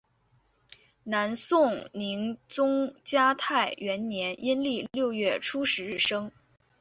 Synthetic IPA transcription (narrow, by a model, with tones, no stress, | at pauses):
na˧˥nsʊ˥˩ŋni˧˥ŋt͡sʊ˥ŋt͡ɕja˥t̪ʰa˥˩ɪɥɛ˧˥nnjɛ˧˥ni˥nli˥˧ljo˥˧ʊɥɛ˥˩ʈ͡ʂʰu˥ʂɻ̩˧˥ɻɻ̩˥˩ʂɤ˥ŋ